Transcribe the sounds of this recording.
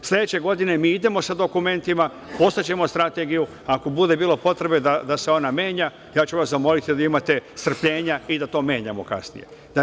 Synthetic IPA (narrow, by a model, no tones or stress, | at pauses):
slʲe̞d̪et͡ɕe̞ɡo̞d̪ine̞miːid̪e̞mo̞sad̪o̞kume̞nt̪ima | po̞st̪at͡ɕe̞mo̞st̪ɾat̪e̞ɡiju | ako̞bud̪e̞biːlˠo̞po̞t̪ɾe̞bed̪ad̪ase̞o̞namje̞ːɲa | jaːt͡ɕuʋaszamo̞lit̪id̪aimat̪e̞st̪r̩pʎe̞ːɲaid̪at̪o̞ːmʲje̞ːɲamo̞̰ka̰snḭje̞̰ | d̪a